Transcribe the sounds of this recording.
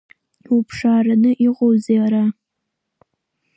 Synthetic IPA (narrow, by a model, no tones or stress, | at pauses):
upʰʂaːranɨʔiʁʷʼowzeɾa